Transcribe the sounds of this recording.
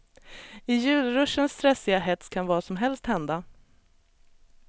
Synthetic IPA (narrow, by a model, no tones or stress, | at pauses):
ɪjʉ̟ːlɾɵʂənst̪ɾɛsːɪɡaɦɛt̪skʰanvɑːɾasɔmɦɛlst̪hɛnd̪a